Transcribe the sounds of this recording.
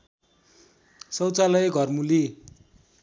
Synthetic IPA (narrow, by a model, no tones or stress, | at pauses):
sʌwt͡salʌjeɡʱʌrmuli